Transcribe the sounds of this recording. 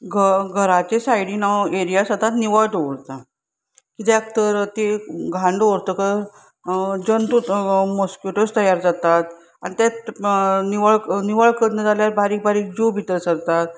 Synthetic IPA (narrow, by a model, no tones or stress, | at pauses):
ɡʱəɡʱəɾat͡ɕesajɽinaeɾijasəd̪ʱat̪niʋəɭʈoʋɽt̪a | kit̪eak̚t̪əɾt̪eɡʱãɳɖoɾt̪əkə | d͡ʑənt̪umɔskjuʈəst̪əjaɾd͡zat̪at̪̚ | a̰nit̪at̪niʋəɭniʋəɭkəd̪nəd͡zaljaɾbaɾiːk̚baɾiːk̚d͡ʑubʱit̪əɾsəɾt̪at̪̚